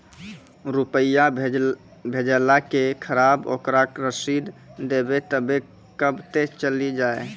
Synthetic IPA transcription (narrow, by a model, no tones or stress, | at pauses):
ɾupəja | bʱed͡ʒəlakekʰəɾabo̰kɾakɾəsid̪d̪ebet̪əbe | kəbt̪et͡ʃəlid͡ʒae